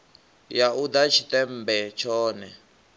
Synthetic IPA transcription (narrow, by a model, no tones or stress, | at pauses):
jaʔud̪at͡ʃʰit̪ɛm̩bɛt͡ʃʰɔːnɛ